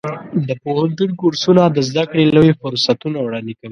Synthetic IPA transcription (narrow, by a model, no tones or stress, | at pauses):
d̪əpohant̪unkuɾsunad̪əzd̪akɽelojefʊɾsat̪unawɽɑnd̪ekawi